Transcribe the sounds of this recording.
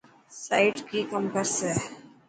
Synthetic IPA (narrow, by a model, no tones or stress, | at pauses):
saɪʈkikɐ̃mpəɾsɛ